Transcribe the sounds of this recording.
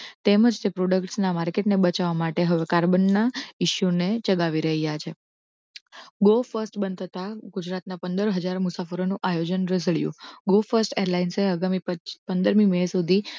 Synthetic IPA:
t̪eməd͡ʒt̪epɾoɖəkʈsnamaɾkeʈnebət͡ʃaʋamaʈeɦəʋekaɾbənːaɪʃunet͡ʃəɡaʋiɾəɦijat͡ʃʰe | ɡofəɾsʈbənd̪t̪ʰət̪aɡʊd͡ʒɾat̪napənd̪əɾɦəd͡ʒaɾmʊsafəɾonũʔajod͡ʒənɾəsəɭjṵ̃ɡofəɾsʈeɾlainseəɡamiəpənd̪əɾmiməsud̪ʱi

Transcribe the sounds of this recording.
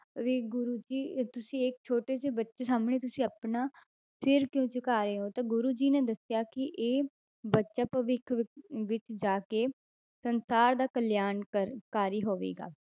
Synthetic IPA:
ʋeːɡʊɾuːd͡ʒiːt̪ʊsĩːek̚t͡ʃʰoːʈeːs̬eːbətːʃeːsaːmɳeːt̪ʊsĩːəpnaː | sɪɾkjõːt͡ʃəkaːɾeːɦõːt̪ãːɡʊɾuːd͡ʒiːnẽːd̪əsɪjaːkɪʔeː | bətːʃaːpəʋɪkʰʋɪt͡ʃd͡ʒaːkeː | sənsaːɾd̪aːkəljaːnəkaːɾiːɦoːʋḛːɡa̰ː

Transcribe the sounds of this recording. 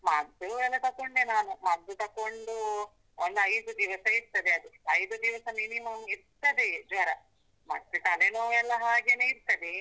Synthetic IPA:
mɐd̪ːuɛlːɐt̪ɐkːoɳnenaːnumɐd̪ːut̪ɐkːoɳɖu | ond̪ɐjd̪ud̪iʋɐsɐiɾt̪ɐd̪eɐd̪uɐjd̪ud̪iʋɐsɐminimɐmiɾt̪ɐd̪ed͡ʒʋɐɾɐ | mɐt̪ːekɐlenoːɛlːɐɦaːɡeneːiɾt̪ɐd̪e

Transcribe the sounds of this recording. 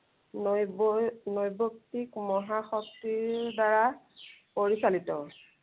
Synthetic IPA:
n | nɔjbok̚tikmɔɦaxɔk̚tiɹdaɹa | poɹisalitɔ

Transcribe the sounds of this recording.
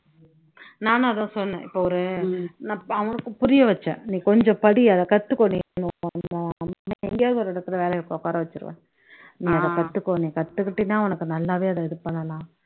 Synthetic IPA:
naːnãɐðãːsɔnːɐnɛ̰̃ːʔɪpːoɔɾɯnaɐʋɐnɯkːɯpʊɾɪjɐʋɐt͡ʃːɛ̰̃nĩːkɔɲd͡ʒɔ̃pɐɽiɐðɛkɐt̪ːɯkːoːninɯnaɐmmːaɛŋɡejaːðɯɔɾɛɽɯk̪ːɪɾɐʋeːlɛjɣɐkoːkaːɾɐʋɐt͡ʃːɯɾɯ̰ʋḛ̃ | nĩːɐðɐ̃kɐt̪ːɯkːoːnĩːkɐt̪ːɯkːɪʈːɪnːaːʋɔnɐkːɯnɐlːaːʋeːɐðɐɛðɯpɐɳːɐlãː

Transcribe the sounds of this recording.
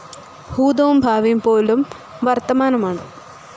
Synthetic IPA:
huːd̪ɐʋumbʱaːʋɐjumpoːlum | ʋɐrt̪ɐmaːnɐmaːɳɨ

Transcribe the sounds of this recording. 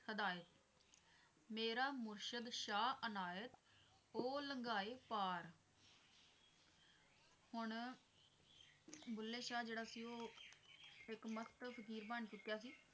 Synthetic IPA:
əd̪aːjət̪ | meːɾaːmʊɾʃəd̪ʃaːənaːjət̪ | oːləŋɡaːeːpaːɾ | hʊɳ | bʊlːeːʃaːd͡ʒeːɽaːsiːoː | ɪkməst̪pʰəkiːɾbaːɳ̃t͡ʃʊt̪ːjaːs̬iː

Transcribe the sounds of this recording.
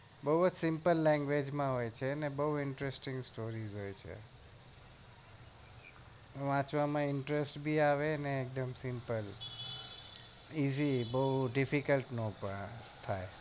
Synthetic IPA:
bəɦud͡ʒsɪ̃mpəlːɛ̃ŋɡʋed͡ʒmãɦojt͡ʃʰenebəɦuɪɳʈɾesʈĩŋɡsʈoɾizɦojt͡ʃʰḛ | ʋãt͡ʃʋamãɪɳʈɾesʈbʱiaʋeneːk̚d̪əmsɪ̃mpəl | izibəɦuɖɪfikəlʈnõpə | t̪ʰaj

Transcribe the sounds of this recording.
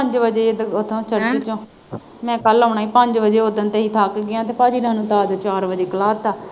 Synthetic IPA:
pəɲd͡ʒʋəd͡ʒeːed̪ət̪ʰõːt͡ʃʰəɾt͡ʃ̪et͡ʃõː | mɛ̃ːkəloːɳaːiːpəɲd͡ʒʋəd͡ʒeːɦoːd̪ənt̪eːɦiːt̪ʰaːkɡɪjãːt̪eːpaːd͡ʒiːnaːnũːt̪aːd̪ət͡ʃaːɾʋəd͡ʒeːkəlaːt̪aː

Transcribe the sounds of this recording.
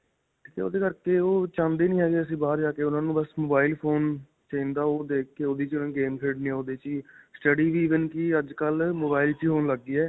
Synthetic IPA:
iːkḛo̰ːd̪eːkəɾkeːoːt͡ʃãːnd̪eːnĩːɦɛːɡeːəs̬ĩːbaːəɾd͡ʒaːkeːʊnãːnũːbəsmoːbaːɪlpʰoːn | t͡ʃə̃nd̪aːoːd̪eːkkeːoːd̪iːt͡ʃʊnãːɡeːmkʰeːɖneːɛːoːd̪eːt͡ʃiːsʈəɖiːʋiːʋənkɪəd͡ʒkəlmoːbaːɪlt͡ʃiːɦoːnləɡːiːɛː

